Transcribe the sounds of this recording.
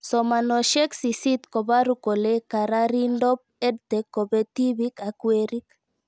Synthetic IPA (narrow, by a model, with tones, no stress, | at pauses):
sɔmanɔ˨ʃɛ˦ksi˨si˦t̪ko˨βa˦ɾuko˨leka˨ɾa˦ɾindɔ˦p̚ɛ˦dt̪ɛkːo˨βɛ˦t̪iβika˨kweɾik